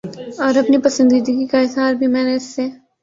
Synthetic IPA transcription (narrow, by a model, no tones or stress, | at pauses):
ɔːɾɐpnipɐsə̃nd̪id̪iɡikaɪsɦaːɾbʱimɛ̃ːneɪsːe